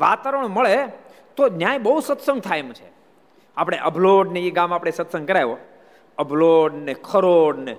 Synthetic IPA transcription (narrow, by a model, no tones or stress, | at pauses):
ʋat̪aɾəɳ̃məɭe | t̪od͡ʒjãebəɦusət̪səŋɡ̚t̪ʰajmt͡ʃʰe | apɽ̃eʔəbloɖneiɡamapɽ̃esət̪sə̃ŋɡkəɾajʋo | əbloɖnekʰəɾoɖne